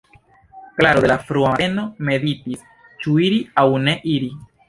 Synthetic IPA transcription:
klaɾod̪elafɾuaeno̞me̞ditis | t͡ʃuiɾiawne̞ʔiɾi

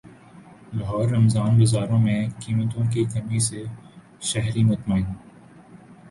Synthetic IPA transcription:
lɐɦɔːɾːɐmzaːnɡɐzaːɾõmẽkiːmət̪õk̬ikɐmise | ʃɐɦɾimɐt̪maːĩː

